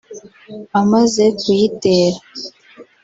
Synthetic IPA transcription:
amazekujiteːɾa

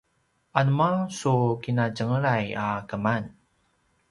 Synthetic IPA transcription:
ʔanmasukinaɟəŋəɾajakəman

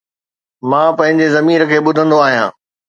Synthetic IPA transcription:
mãːpɐ̃ɦɪ̃ɲd͡ʑezɐmiːɾəkʰeːɓʊd̪ʱə̃nd̪oaːɦijãː

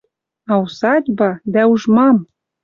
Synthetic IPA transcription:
ɑusɑdʲbɑd̪æuʒmɑm

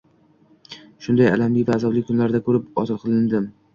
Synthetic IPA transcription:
ʃʊnd̪aja̰lamlɪkʲvaːzɒblɪk̚ʲkʰʊnlaɾd̪akʰɵɾɪpɒt̪ɨlˠqʰɨlˠɪnd̪ɪm

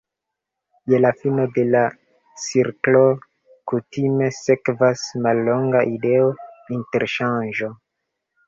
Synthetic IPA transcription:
jelafino̞de̞la | t͡siɾklo̞ | kutime̞se̞kvasmalːo̞ŋɡaʔide̞ointe̞ɾʃanʒo̞

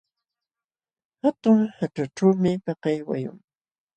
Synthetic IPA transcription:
hat̪ʊŋhaʈ͡ʂaʈ͡ʂawmɪpɑqɑjwa̰jʊ̰ŋ

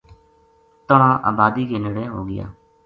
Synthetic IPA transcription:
t̪əɳãːʔa̰ːbaːd̪iːkeːnəɽeːɦoːɡɪja̰ː

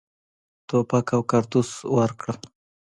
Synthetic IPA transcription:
t̪opakawkaɾt̪uswaɾkɽə

